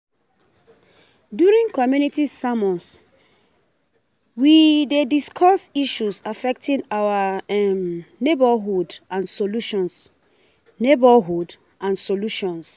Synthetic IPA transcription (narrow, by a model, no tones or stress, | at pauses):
djuɹĩŋkɔmjunitisamɔ̃ns | widediskʰɔsiʃusafɛk̚tʰĩnawaɛmnebaɦudãnsoluʃɔ̃ns | nebaɦud | ʔãnsoluʃɔ̃ns